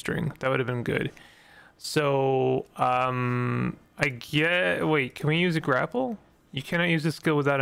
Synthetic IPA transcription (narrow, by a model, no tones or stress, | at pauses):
tɹ̥ɪ̰̃ŋðɨt̚wʊɾɨvbɨ̃nɡʊ̰d̥ | soʊʌ̃m | aɪɡɛweɪt̚kʰɨ̃nwijʉzɨɡɹæpl̩ˠ | jɨkʰænɑt̚jʉzðɨskɪlˠwəðaʊɾ